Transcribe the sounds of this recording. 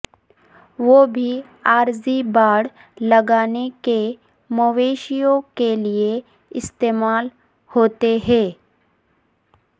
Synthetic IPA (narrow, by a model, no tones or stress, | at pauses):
ʋoːbʱi | aːɾzibaːɽ | lɐɡaːneke | moʋeːʃijõkelie | ɪst̪eːmaːl | hoːt̪eɦɛ̃ː